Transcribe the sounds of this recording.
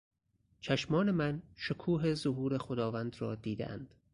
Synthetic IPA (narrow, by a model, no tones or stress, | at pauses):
t͡ʃʰæʃmɒːne̞mænʃokʰuːɦezoɦuːɾe̞xod̪ɒːvænd̪ɾɒːd̪iːd̪ḛʔæ̰nd̪̥